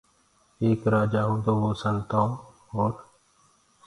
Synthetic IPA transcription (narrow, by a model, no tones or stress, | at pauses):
eːkɾaːd͡ʒaːɦõːd̪oːʋoːsənt̪aoɦoːɾ